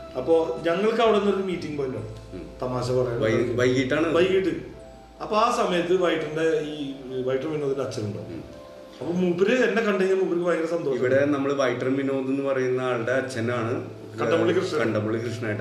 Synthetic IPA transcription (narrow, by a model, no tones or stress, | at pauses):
ɐpːo̞ːɲɐŋːɐɭkɐʋiɽenːɐɾoɾumiːtːiŋɡɨpɐnːoːɳ | t̪ɐmaːɕ̬ɐpɐrɐjɐɐjʋɐjkːiʈːaːɳɨbɐjkːiʈːɨ | ɐpːoaːsɐmɐjɐt̪ːɨʋɐjʈːinɖe̞iːʋɐjʈrɐminoːðinɖɐt͡ɕːɐluɳɖoː | ɐpːoːmupːiɾeenːekɐɳɖeɲːɐlmupːiɾikːɨʋɐjkɾesɐnd̪oːʂiɐʋiɽe̞nɐmːɐɭʋɐjʈːrɐmino̞ːðenːɨpɐrɐjunːaɭɽeɐt͡ɕːɐnaːɳɨ | kɐɖɐːuɭːikrɨʂɐkɐɳɖɐmːuɭːikrɨʂɳɐnaːjʈː